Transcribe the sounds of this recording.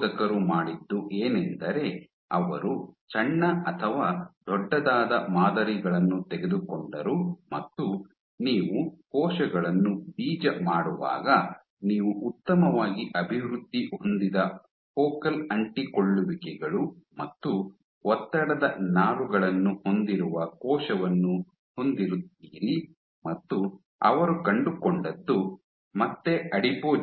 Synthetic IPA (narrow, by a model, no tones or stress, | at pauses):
d̪ɐkɐɾumaːɽid̪ːuʔeːnɛnd̪ɐɾe̞ | ɐ̰ʋɐɾut͡ʃɐɳːɐɐt̪ʰɐʋaːd̪ɔɖːɐd̪aːd̪ɐmaːd̪ɐɾiɡɐɭɐnːut̪ɛɡe̞d̪ukoɳɖɐɾumɐt̪ːu | niːʋuhɔːʃɐɡɐɭɐnːubiːd͡ʒɐmaːɽuʋa̰ːɡɐ | niːʋuʔut̪ːɐmɐʋaːɡiʔɐbʱiʋɾud̪ːiond̪id̪ɐ | pɔːkɐlɐɳʈikoɭːuʋikɛɡɐɭumɐt̪ːu | ɔt̪ːɐɽɐd̪ɐnaːluɡɐɭɐnːuho̞nd̪iɾuʋɐkɔːʃɐʋɐnːu | ho̞nd̪iɾut̪ːiːɾi | mɐt̪ːu | ɐ̰ʋɐɾukɐɳɖukoɳɖɐd̪ːu | mɐt̪ːe̞ɐɽipoː